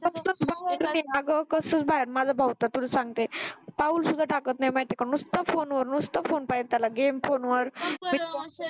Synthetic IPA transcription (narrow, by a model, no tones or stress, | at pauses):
kəsət͡sbaɦeɾnajaɡəkəsət͡sbaɦeɾmad͡zʱabʱawt̪at̪uləsãŋɡ̚t̪epauːlsud̪ʱaʈakət̪najmat̪ekanust̪əfonʋəɾnust̪əfonpajt̪alaɡemfonʋəɾmi